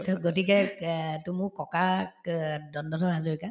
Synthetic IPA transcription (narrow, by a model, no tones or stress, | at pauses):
tɔɡotikɛtumʊkɔka | dɔndɔtʰɔɦazoɹika